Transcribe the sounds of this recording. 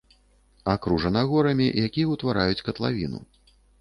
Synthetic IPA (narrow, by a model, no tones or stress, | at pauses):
akɾuʐɐnaɣɔɾɐmʲḭjakʲijɐwt̪vaɾajut͡sʲkɐt̪lˠavʲḭnṵ